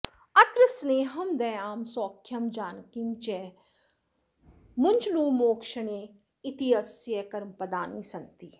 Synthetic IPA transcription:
ɐt̪ɾəsneːɦɐmd̪ɛːaːmsɔːkʰːjɐmd͡ʒaːnkimt͡ʃɛː | mʊnd͡ʒluːmoːkʃəɳeː | ɪt̪iɦɐsjekɐɾmpɐd̪aːniːsɐnt̪iː

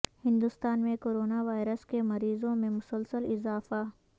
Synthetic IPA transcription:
hɪ̃nd̪ust̪aːnmẽkoːɾoːnaʋaːɪɾəskemɐɾiːzõmẽmʊsəlsəlɪzaːfa

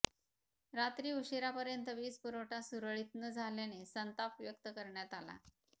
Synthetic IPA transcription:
ɾat̪ɾiːuɕiɾapəɾjənt̪əʋiːspuɾoʈasuɾəɭit̪nəd͡zʱaljanesənt̪apʋjək̚t̪əkəɾɳjat̪ala̰

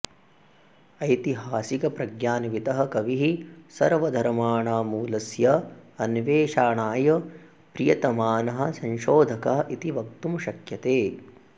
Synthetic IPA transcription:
ɐjt̪iɦaːsikɐpɾɐɡjaːnʋit̪ɐɦɐ̆kɐʋiɦisɐɾʋɐd̪ʱɐɾmaːɳaːmuːlɐsjɐɐnʋeːʃaːɳaːjɐ | pɾijɐt̪ɐmaːnɐɦɐ̆sɐnʃoːd̪ʱɐkɐɦɐʔit̪iʋɐk̚t̪umʃɐkjɐt̪eː

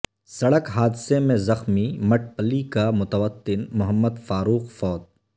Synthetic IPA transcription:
sɐɽəkɦaːd̪semẽzɐxmimɐʈ̚ʰpəlikamʊt̪əʋət̪ːɪnmʊɦəmːəd̪faːɾuːxfɔːt̪̚

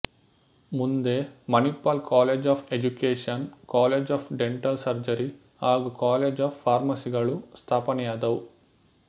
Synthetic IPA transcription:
mund̪eːmɐnipːaːlkaːleːd͡ʒaːpʰed͡ʒukeːʂɐnkaːleːd͡ʒaːpʰɖeɳʈɐlsɐɾd͡ʒɐɾi | aːɡukaːleːd͡ʒaːpːaːɾmɐsiɡɐɭust̪ʰaːpɐnijaːd̪ɐw

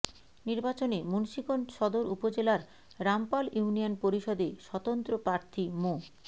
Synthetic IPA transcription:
niɾbat͡ɕonemunʃikonʃɔd̪oɾupod͡ʑelaɾ | ɾampaliunijonpoɾiʃɔd̪eʃɔt̪ont̪ɾopɾaɾt̪ʰimo

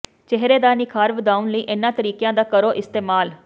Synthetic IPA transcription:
t͡ʃɛɦɾeːd̪aːnɪkʰaːɾʋd̪aːʊnləiːʔɪnːãːt̪əɾiːkjãːd̪aːkəɾoːʔɪst̪eːmaːl

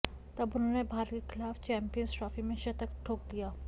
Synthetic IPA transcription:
t̪ɐbʊnɦõːnebʱaːɾkkexɪlaːft͡ʃɛ̃ːmpijənsʈɾɔːfimẽʃɐt̪əkʈʰoːk̚d̪ijaː

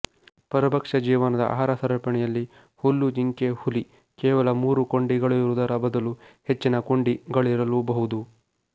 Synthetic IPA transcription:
pɐɾɐbʱɐkʂɐd͡ʒiːʋɐnɐd̪ɐ̰ʔa̰ɦaːɾɐsɐɾɐpɐɳɛjɐlːi | hulːud͡ʒiŋkehuli | keːʋɐlɐmuːɾuko̞ɳɖiɡɐɭuɾud̪ɐɾɐbɐd̪ɐluhet͡ʃːinɐkoɳɖiɡɐɭiɾɐlubɐɦud̪u

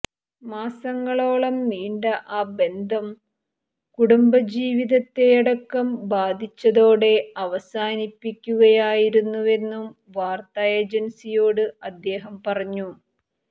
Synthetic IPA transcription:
maːsɐŋːɐɭo̞ːɭɐmniːɳɖɐʔaːbe̞nd̪ʱɐm | kuɽumbɐd͡ʑiːʋiðɐt̪ːe̞jɐɽɐkːɐmbaːd̪ʱit͡ɕːɐðo̞ːɽe̞ɐʋɐsaːnipːikʲːuɣɐjaːjiɾunːuʋe̞nːum | ʋaːrt̪aːjeːd͡ʑɐnsijo̞ːɽɨɐd̪ːe̞ːɦɐmpɐrɐɲːu

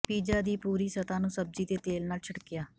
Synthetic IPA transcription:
piːd͡ʒaːd̪iːpuːɾiːsət̪ãːnũːsəb̚d͡ʒiːt̪eːt̪eːlnaːlt͡ʃʰəʈkɪjaː

